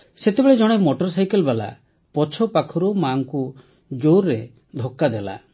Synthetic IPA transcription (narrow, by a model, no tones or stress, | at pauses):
set̪ebeɭed͡ʒɔɽ̃emoʈɔɾsajkelbala̰ | pɔt͡ʃʰɔpakʰɔɾumaŋku | d͡ʒoɾːe | d̪ʱokːad̪ela̰